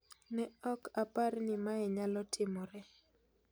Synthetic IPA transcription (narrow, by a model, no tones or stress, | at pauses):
nɛɔkapaɾnɪmaɛɲalɔtʰɪmɔɾɛ